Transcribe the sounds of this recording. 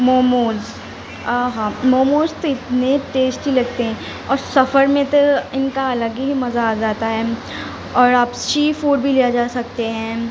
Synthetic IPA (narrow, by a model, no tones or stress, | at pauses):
moːmoːz | aɦãːmoːmoːzt̪oɪt̪neʈeːsʈbilɐɡ̚t̪eɦɛ̃ː | ɔːɾsɐfəɾmẽt̪oɪnkaɐləɡiɦimɐzaaːd͡ʒaːt̪aɦɛː | ɔːɾaːpʃiːfuːɖbʱilijad͡ʒaːsɐk̚t̪eɦɛ̃ː